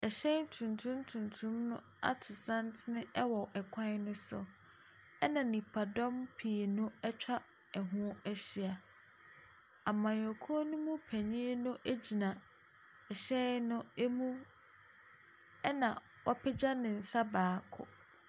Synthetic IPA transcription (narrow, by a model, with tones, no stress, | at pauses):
ɛ˨ɕɛ˦n˦tʰũ˨ntʰũ˦ntʰũ˨ntʰũ˦mnʊ̃˦ | a̰˦tʰʊ˨sã˦ntʰɪ˦nɪ̃˦ʔɛ˦wɔ˨ʔɛ˨kʰã˦nʊ̃˦sʊ̰˨ | ɛ˦nã˨nĩ˨pʰa˨dɔ̃˦mpʰi˨nʊ̃˦ɛ˦t͡ɕᶣʰa˦ | ɛ˨ɦʊ̃˦ɛ˦ɕi˨a˨ | a˨mã˨jɔ˨kʰu˦o˦nʊ̃˦mũ˦pʰæ˨ɲĩ˦nʊ̃˦ʔæ˦d͡ʑi˨nã˨ | ɛ˨ɕɛ˦nʊ̃˦e˦mũ˦ | ɛ˦nã˨ | wɔ˦pʰɛ˦d͡ʑa˦nɪ̃˨n̩˨sa˦baː˨kʰʊ̰˨